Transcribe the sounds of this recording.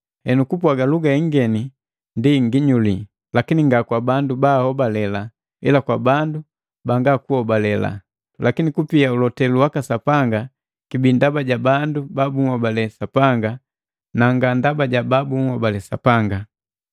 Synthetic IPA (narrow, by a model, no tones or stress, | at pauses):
hɛnukupwaɡaluɡaɛŋɡɛni | ndiŋɡiɲuli | lakiniŋɡakwabandubahɔbalɛla | ḭlakwabandu | baŋɡakuhɔbalɛla̰ | lakinikupiaulɔtɛluwakasapaŋɡa | kibindabaɟabandubabuŋ̩hɔbalɛsapaŋɡa | naŋɡandabaɟababuŋ̩hɔbalɛsa̰paŋɡa